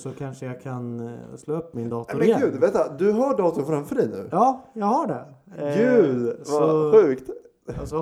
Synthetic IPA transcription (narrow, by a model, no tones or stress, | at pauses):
sɔkʰanʂəjaɡkʰansloːɵpːmɪnd̪ɑːt̪aʊɾmɛɡʉ̟ːd̪veːt̪ːad̪ɵɦaɖɑːt̪ʊɾfɾamfœɖɛjnʉ̟̰ːjɑːjɑɡhaɖɛɡʉ̟ːd̪vaɧʉ̟ːkt̪